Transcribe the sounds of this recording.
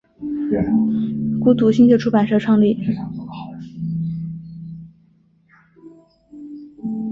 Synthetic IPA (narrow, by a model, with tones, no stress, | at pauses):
ku˥˩t̪u˨˩ɕi˥ŋt͡ɕjʈ͡ʂʰu˥pa˨˩nʂɤ˥˧ʈ͡ʂʰwɑ˥˧ŋli˥˩